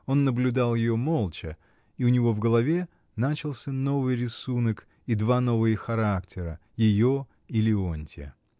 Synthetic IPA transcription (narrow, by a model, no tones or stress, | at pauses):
o̞nːəblʲʊd̪alˠjɪjo̞mo̞lˠt͡ɕə | iʊnʲɪvo̞vɡəlˠɐvʲe̞ | nat͡ɕɪlˠsʲəno̞vɨjɾʲɪsunək | id̪vano̞vɨjəxɐɾaktʲʰɪɾəjɪjo̞ | ɪlʲɪonʲtʲɪə̰